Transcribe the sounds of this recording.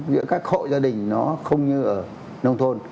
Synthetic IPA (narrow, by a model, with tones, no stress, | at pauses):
zɨ̰˧˥kaː˦˥k̚xo̰˧˨zaː˧ɗï˨˩ŋ̟nɔ˨˦xə˧wŋ͡mɲɨ˧ʔəː˧˩ | nə˧wŋ͡mt̪ʰo˧n